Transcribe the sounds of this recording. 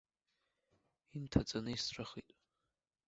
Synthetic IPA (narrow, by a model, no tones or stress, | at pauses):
intʰat͡sʼanɨisʈ͡ʂʷʼaχḭtʼ